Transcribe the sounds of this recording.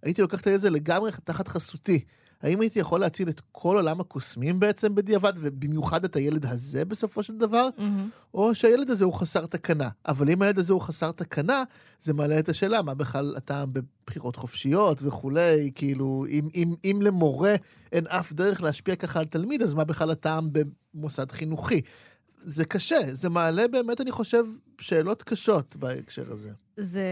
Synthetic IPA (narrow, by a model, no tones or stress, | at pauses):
ait̪ilo̞kaχtaezele̞ɡamʁetaχat̪χasuti | ha̰imait̪ijaχo̞lːeat͡silet̪kʰo̞lo̞lamhakosmimbeet͡sembed̪iavadve̞bimjuχad̪ethajele̞d̪ɦaze̞be̞so̞fo̞ʃeld̪avaʁ | ʔo̞ʃeajele̞d̪azeuχasaʁt̪akanaʔavalimajeled̪azeuχasaʁt̪akʰana | zemaːleːt̪aʃe̞ːlamabeχlala̰taːmbe̞b̥χiʁo̞tχofʃijo̞tveχule̞jkiiluimimimle̞mo̞ʁe̞ | ʔenafd̪eʁeχleaʃpiakaχaːlt̪almid̪azmabeχlalataːmbe̞ | mosadχinuχi | zekaʃeze̞maːle̞be̞ːme̞taniχo̞ʃe̞v | ʃe̞ːlo̞tkaʃo̞tbaḛkʃḛʁa̰ze̞̰ | ze